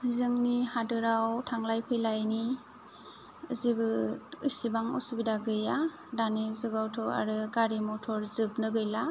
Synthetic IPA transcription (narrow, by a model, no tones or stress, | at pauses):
zɯŋnihadɯɾawtʰaŋlajpʰɯlajni | zibɯɯsibaŋɔ̰subidaɡɯja | danizuɡawtʰɔa̰ɾɯɡaɾimɔtʰɔɾzɯbnɯɡɯjla